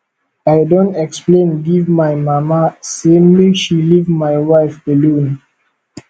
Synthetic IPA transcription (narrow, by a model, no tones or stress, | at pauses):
ajdõntɛksplẽnɡivmajmamasẽmliʃilivmajwaɪfbɛlũn